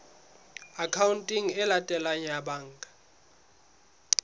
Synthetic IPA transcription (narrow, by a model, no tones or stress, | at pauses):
akʰawuntʼiŋɛlatʼɛlaɲaɓaːŋkʼḁ